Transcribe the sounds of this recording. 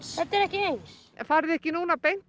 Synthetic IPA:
θɛt̪ːɛɾɛhcɪejns | faːɾðɪɛhcɪnuːnapejnt̪

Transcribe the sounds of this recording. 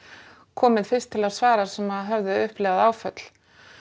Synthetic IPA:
kʰɔːmɪðfɪrst̪ʰɪlaðsvaːɾaɾ̥sɛmaðɦœvðɪʏhplɛːɣaðaːwfœt̪l̥

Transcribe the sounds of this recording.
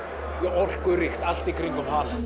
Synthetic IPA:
jɛɔr̥kʏɾɪxt̪al̥t̪ikʰɾiŋkʏmhaːl

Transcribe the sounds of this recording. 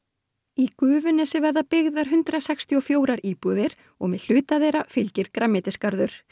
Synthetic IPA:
ikʏːvʏnɛsɪvɛɾðapɪɣðaɾ̥ɦʏnt̪ɾasɛkst̪ʰiɔfjoːwɾaɾiːpuðɪɾ̥ | ɔɣmɛðl̥ʏːt̪aðejɾafɪlcɪɾ̥kɾamːɪt̪ɪskaɾðʏɾ̥

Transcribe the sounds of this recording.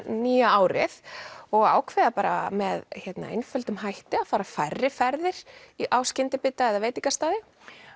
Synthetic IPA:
niːjaaːwɾɪ̰θɔɣa̰ːwkʰvɛðapaːɾa̰mɛðçɛt̪na̰ḛjnfœlt̪ʏmhajht̪ɪaðfaːɾafajrːɪfɛɾðɪɾ̥iʔaːwscɪnt̪ɪpɪt̪aɛðaveːjt̪iŋkast̪aːðɪ

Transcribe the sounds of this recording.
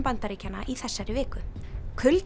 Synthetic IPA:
mpant̪aɾiːcanːaʔiθɛsːajɾɪvɪːkʏkʰʏlt̪

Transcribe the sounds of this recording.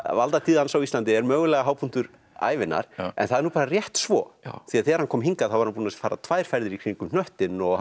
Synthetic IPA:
valt̪at̪ʰiːðansawist̪lant̪ɪɛɾmœːɣʏlɛɣaɦaːwpʰunt̪ʏɾ | a̰ːjvɪnːa̰ɾ̥ɛ̰nθaðɛɾnuːpaːɾarjɛht̪svɔːθiaðθɛːɣaɾhankʰɔːmɦiŋkaðθawvaɾhanpuːnasfaːɾa̰t̪ʰvaːjɾ̥fajɾðɪɾikʰɾ̥iŋkʏmn̥œht̪ɪnɔɣ

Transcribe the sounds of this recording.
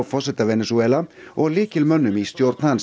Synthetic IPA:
fɔsɛt̪avɛnɛsuɛːlaɔɣlɪːkɪlmœnːʏmist̪jɔɾt̪nhans

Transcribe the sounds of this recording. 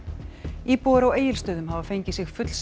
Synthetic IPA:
iːpɔɾaweːjɪlst̪œːðʏmɦaːvafejɲcɪsɪɣfʏt̪l̥s

